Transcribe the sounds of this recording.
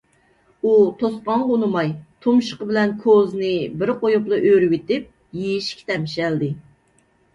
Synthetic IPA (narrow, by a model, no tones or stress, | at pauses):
ut̪ʰosqɑŋʁonɨmɑjt̪ʰumʃə̥qəbɪlɛnkʰoznɪbɪɾqʰojuplˠɨʔøɾɡʲit̪ɪp̚ | jejʃkʲʰi̥t̪ɛmʃɛld̪ɪ